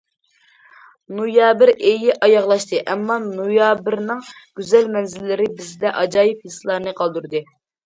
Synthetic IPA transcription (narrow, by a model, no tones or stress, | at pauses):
nojɑːbɪɾʔejiʔɑjɑʁlˠɑʃt̪ɨʔɛmːɑnujɑːbɪɾnɨŋɡ̥ʲyzɛlmɛnzɪlːɪɾɪbɪzd̪ɛʔɑd͡ʒɑːjipisɨlˠɑɾnɨqʰɑlˠd̪uɾd̪ɨ